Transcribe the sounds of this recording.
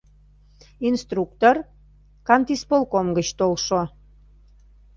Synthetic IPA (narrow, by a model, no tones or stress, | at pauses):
inst̪rukt̪or | kɑnt̪ispolkomɡət͡ɕt̪olʃo